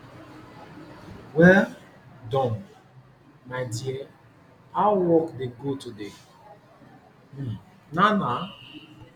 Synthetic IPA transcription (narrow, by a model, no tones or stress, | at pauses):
wɛl | dɔ̃m | madia | awɔkdeɡotude | m̩ | nana